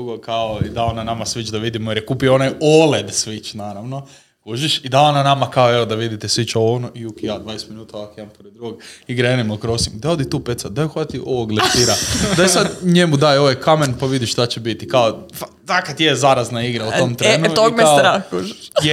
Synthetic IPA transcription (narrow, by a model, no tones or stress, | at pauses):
uɡokaoid̪aonanamasʋit͡ʃd̪aʋid̪imojeɾjɛkuːpioonajoled̪sʋit͡ʃnaːɾaʋno̞ | kuʒiʃid̪aonanamakaoeod̪aʋid̪it̪ɛsʋit͡ʃaoonoʔiukjaːd̪ʋajest̪minuːt̪aoʋakid̪ampoɾed̪d̪ɾuɡoɡiɡɾaenimokɾosimd̪aod̪it̪uːpet̪sad̪ajuxat̪iʔoʋoɡleʃt̪iɾad̪aisad̪ɲemud̪aːjo̞ʋajkamenpaʋid̪iʃʃt̪at͡ɕebit̪ikaofa | t̪akat̪jezaɾaznaiɡɾaoomt̪ɾent̪oɡmesaɾakuʒiʃ